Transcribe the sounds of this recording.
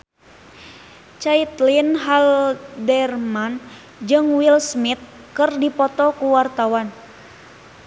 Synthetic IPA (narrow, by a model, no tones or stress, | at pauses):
t͡ʃait̪linɦaldɛrman | d͡ʒɨŋwilsmit̪̚ | kɨrdipɔt̪ɔkuwart̪awan